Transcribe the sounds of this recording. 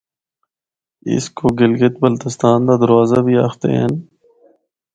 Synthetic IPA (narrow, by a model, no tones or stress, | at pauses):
ɪ̰skoːɡɪlɡət̪bəlt̪ɪst̪aːnd̪aːd̪əɾʋaːzabʱiːaːxt̪ḛɦɛ̰n